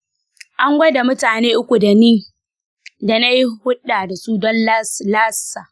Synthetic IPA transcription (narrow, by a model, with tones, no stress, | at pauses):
ʔa˦ŋɡʷɐ˦da˨mʊ˦taː˨neː˦ʔʊ˦kʷu˨da˨niː˦ | da˨na˦ji˦hʊ˦ɗaː˨da˨su˦dɔ˦n˦laː˦saː˨